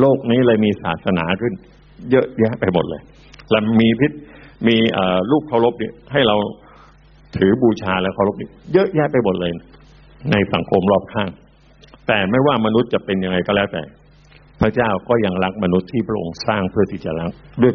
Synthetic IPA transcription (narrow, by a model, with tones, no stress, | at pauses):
loː˥˩k̚niː˦˥lɤː˧jmiː˧sa̰ː˨˩t̪̚sa˧naː˩˦kʰɯ˥˩n | jɤ˦˥ʔjɛː˦˥ʔpa˧jmo˨˩t̪̚lɤː˧j | la˧˩miː˧pʰi˦˥t̪̚miː˧ʔəː˨˩luː˥˩p̚kʰa˥˩wlo˦˥p̚ni˥˩ɦa˥˩jɾa˧w | t̪ʰɯː˩˦buː˧t͡ɕʰaː˧lɛː˦˥kʰa˥˩wlo˦˥p̚niː˦˥jɤ˦˥ʔjɛː˦˥pa˧jmo˨˩t̪̚lɤː˧j | na˧jsa˩˦ŋkʰo˧mɾɔː˥˩p̚kʰaː˥˩ŋ | t̪ɛː˨˩ma˥˩jwaː˥˩ma˧nu˦˥t̪̚t͡ɕa˨˩pe˧nja˧ŋa˧jkɔː˥˩lɛː˦˥wt̪ɛ̰ː˨˩ | pʰɾa˦˥t͡ɕaː˥˩wkɔː˥˩ja˧ŋɾa˦˥k̚ma˧nu˦˥t̪ʰːiː˥˩pʰɾa˦˥ʔo̰˧ŋsaː˥˩ŋpʰɯ˥˩ɐt̪ʰi˥˩t͡ɕa̰˨˩ɾa˦˥k̚du˥˩əj